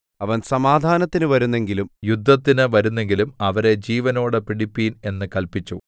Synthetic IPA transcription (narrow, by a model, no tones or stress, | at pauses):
ɐʋɐnsɐmaːd̪ʱaːnɐt̪ːinɨʋɐɾunːe̞ŋɡilumjud̪ʱːɐt̪ːinɨʋɐɾunːe̞ŋɡilumɐʋɐɾe̞d͡ʑiːʋɐno̞ːɽɨpiɽipːiːne̞nːɨkɐlpit͡ɕːu